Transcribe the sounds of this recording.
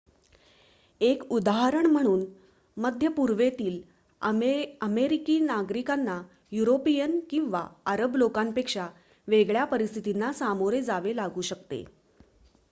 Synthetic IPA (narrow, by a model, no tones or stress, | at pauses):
ekud̪aɦəɾəɳm̤əɽ̃uːn | məd̪ʱjəpuɾʋet̪iːl | əmeɾikiːnaɡɾikanːa | juɾopijənkĩw̃ʋa̰əɾəblokampekʂa | ʋeɡɭjapəɾist̪ʰit̪inːasamoɾed͡zaʋelaɡuːɕəkt̪ḛ